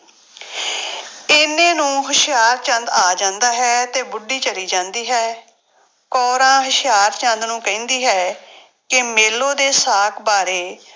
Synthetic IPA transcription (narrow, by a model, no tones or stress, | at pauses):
ɪnẽːnũːɦʊʃɪjaːɾt͡ʃənd̪aːd͡ʒãːnd̪aːɦɛːt̪eːbʊɖːiːt͡ʃəɾiːd͡ʒãːnd̪iːɦɛː | kɔːɾãːɦəʃɪjaːɾt͡ʃə̃nd̪nũːkəĩːnd̪iːɦɛː | kɪmeːloːd̪eːsaːkʰbaːɾeː